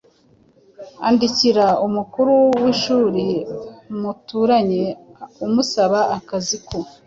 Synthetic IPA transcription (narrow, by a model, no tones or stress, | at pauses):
a̰ndiciɾaumukuɾuwiʃuːɾemutuːɾaɲe̞umusaβaʔːkaziko